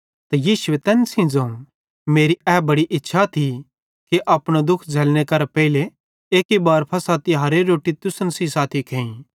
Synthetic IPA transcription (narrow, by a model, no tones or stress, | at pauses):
t̪ɐjiːsʊet̪ɛːnsĩd͡zãũ | meːɾiɛːbɐɽiʔɪtːʃʰat̪ʰi | kiʔɐpɽ̃od̪ʊkʰd͡zʱeːlñekɐɾpɛile | eːkibaːɾpʰɐsaːt̪iɦɐɾeɾoːʈit̪ʊsnsisaːt̪ʰikʰɛ̃ːĩ